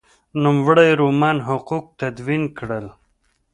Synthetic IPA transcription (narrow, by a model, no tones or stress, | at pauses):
numwɽəjɾumɑnɦʊquq̚t̪ad̪winkɽəl